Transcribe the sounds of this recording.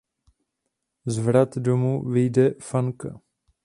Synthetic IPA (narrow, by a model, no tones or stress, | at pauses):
zvɾat̪domuvɪjdɛfaŋka̰